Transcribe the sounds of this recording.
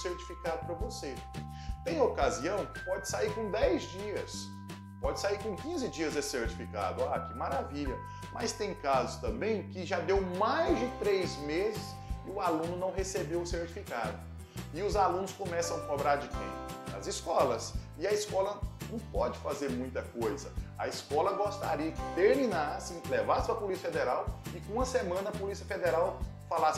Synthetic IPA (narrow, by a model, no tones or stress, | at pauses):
seɾt͡ʃi̥fikad̪ʊpɾɐvose | t̪ẽj̃okaziɐ̃w̃kɪ̥pɔd͡ʒɪsaiɾkõd̪ɛjzd͡ʒiɐs | pɔd͡ʒɪsaiɾkõkĩzɪd͡ʒiɐzɛseɾt͡ʃi̥fika̰d̪ʊaɐkɪmaɾaviʎɐ | mɐst̪ẽj̃kazʊst̪ɐ̃mbẽj̃kɪʒad̪ewmajzd͡ʒɪt̪ɾejzmezɪs | ɪʊalũnʊnɐ̃w̃ɦesebewʊseɾt͡ʃi̥fikad̪ʊ | ɪʊzalũnʊskõmɛsɐ̃w̃kobɾaɾd͡ʒɪk̪ḛ̃pʊɐ̰zɪskɔlɐs | ɪɐiskɔlɐnɐ̃w̃pɔd͡ʒɪfazeɾmũj̃t̪ɐkojzɐɐiskɔlɐɡost̪a̰ɾiɐkɪ̥t̪eɾmĩnaɾsẽj̃kɪlɛvasɪ̥pɾɐpolisiɐfed̪ɛɾawɪkõɐsemɐ̃nɐɐpolisiɐfed̪ɛɾaw | falas